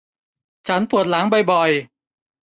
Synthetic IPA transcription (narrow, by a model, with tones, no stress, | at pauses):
t͡ɕʰa˦˥npu˨˩ət̪̚la˨˩˦ŋbɔ˨˩jbɔ˨˩j